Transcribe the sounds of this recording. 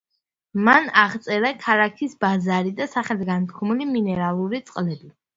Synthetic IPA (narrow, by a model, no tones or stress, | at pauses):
manaʁt̪sʼɛɾakʰaɾakʰisbazaɾid̪asaχɛlɡant̪ʰkʰɔmiliminɛɾalˠuɾit̪sʼqʼlɛbi